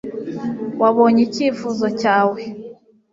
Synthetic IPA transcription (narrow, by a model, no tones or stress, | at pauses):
waβo̞ɲiciːfuzo̞caːwe̞